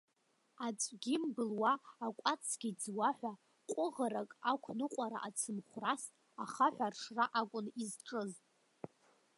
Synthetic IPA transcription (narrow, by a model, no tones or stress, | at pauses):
at͡sʷʼɡʲɪmbɨlwaːkʷʼat͡sʰɡʲid͡zwaħʷᶣa | qʷʼʊʁaɾakʼakʷʰnɨqʷʼaɾa̰ʔat͡sʰɨmχʷras | aχaħʷᶣarʂraʔakʷʼʊnizʈ͡ʂʼɨztʼ